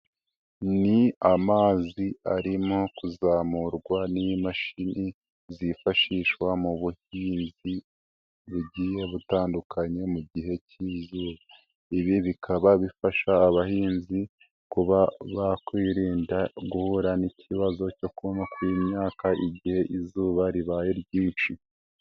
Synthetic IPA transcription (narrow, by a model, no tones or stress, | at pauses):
niamaːziaɾimo̞kuzaːmuɾɡwanimaʃinʔi | zifaʃiːʃwamuβuhiːnzi | βuɟiːje̞βutaːndukʰaɲe̞muɟiɦe̞cizuːβa | iβiβikʰaβaβifaʃaːβahiːnzi | kuβaβakwiːɾiːndaɡuhuɾanicʰiβazo̞co̞kumakwimɲaːkaʔiɟihe̞ʔizuːβaɾiβaːjeɾɟiːnʃi